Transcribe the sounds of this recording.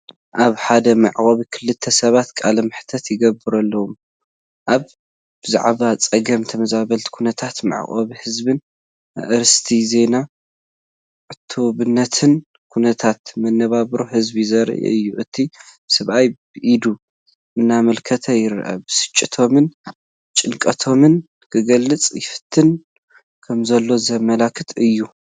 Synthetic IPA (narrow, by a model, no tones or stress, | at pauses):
ʔaβħad̪ɐmɨʕkʼɐβikʰɨlːɨt̪ʰːɐsɐβat̪kʼalɐmɨħt̪ʰɐt̪jɪɡɐbɨɾɐlːɐwum | ʔaβ | b̥ɨza̰ʕβat͡sʼɐɡɐmt̪ʰɐmɐzaβɐlt̪ʰi̥kʰunɐt̪ʰat̪ma̰ʕ̰χʼɐ̰βihɨzbɨn̰ | ʔɨɾɨst̪ʰize̞na | ʕɨt̪ʰːoβɨnːɐt̪ʰɨn | kʰunɐt̪ʰat̪mɐnːɐβaβɾohɨzbizɐɾ̰ʔḭʔɨ̰jːuʔɨt̪ʰːib̥ɨsɐβʔajbɨʔid̪u | ʔɨnːamɐlkʰɐt̪ʰɐjɪɾ̰ʔɐ̰bɨsɨ̥t͡ʃʼːɪt̪ʰo̞mɨn | t͡ʃʼɨlkʼɐt̪ʰo̞mɨn | kʰɨɡɐlːɨt͡sʼjɪfɨ̥t̪ʰːɨn | kʰɐmzɐlːo̞zɐmɐlakʰːɨt̪ʰɨjːu